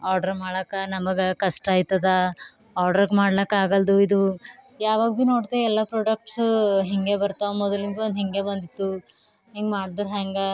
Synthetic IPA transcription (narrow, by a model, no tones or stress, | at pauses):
aːɾɖɐɾmaːɽɐːkɐnɐmɐɡekɐsʈaːjt̪ɐd̪ɐ | aːɾɖɐɾɡmaːɽlɐkaːɡɐld̪uid̪u | jaːʋaːɡino̞ːɖd̪eɛlːɐpɾoːɖɐk̚ʈsɦeŋɡe̞bɐɾt̪ɐmɔd̪ɐliŋɡ̪eond̪ɦeŋɡe̞bɐnd̪it̪ːu | ɦeŋɡmaːɽd̪ɐɾɦaːŋɡɐ